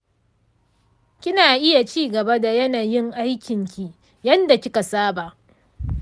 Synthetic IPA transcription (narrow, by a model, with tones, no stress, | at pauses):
kʲɪ˦naː˨ʔɪ˦ja˨t͡ʃiː˦ɡɐ˨ba˦da˨jɐ˦naː˨jɪ˦ŋʔa˦jkʲɪ˨ŋkʲi˦ | jɐ˦nda˨kʲɪ˦ka˨saː˦ba˨ʔ